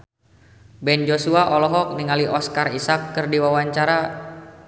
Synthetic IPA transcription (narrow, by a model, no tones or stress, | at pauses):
bɛnd͡ʒosuaʔɔlɔɦɔk̚niŋaliʔɔskarisakːɨrdiwawaɲt͡ʃaɾa